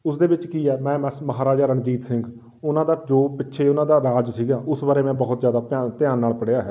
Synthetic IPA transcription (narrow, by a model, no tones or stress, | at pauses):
ʊsd̪eːbɪt͡ʃkiːɛːmɛ̃ːmɛməɦaːɾaːd͡ʒaːɾəɳd͡ʒiːt̪sɪŋɡ | ʊnãːd̪aːd͡ʒoːpɪtːʃʰeːʊnãːd̪aːɾaːd͡ʒsiːɡaːʔʊsbaːɾeːmɛ̃ːbəɦʊt̪zjaːd̪aːpaːt̪ɪjaːnːaːlpəɽjaːɦɛː